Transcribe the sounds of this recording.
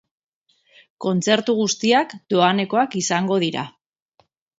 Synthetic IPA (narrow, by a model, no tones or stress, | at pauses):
ko̞nt͡se̞ɾt̪uɣ̞ust̪iakd̪̥o̞ane̞ko̞akisaŋɡo̞ðiɾa̰